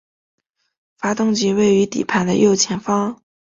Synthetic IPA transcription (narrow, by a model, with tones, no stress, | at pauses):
fa˥t̪ʊ˥ŋt͡ɕi˧˥we˥˩ɪy˧˥t̪ḭ˨˩pʰa˥˩nd̪ə̰˧jo˥˩ʊt͡ɕʰjɛ˧˥nfɑ˥ŋ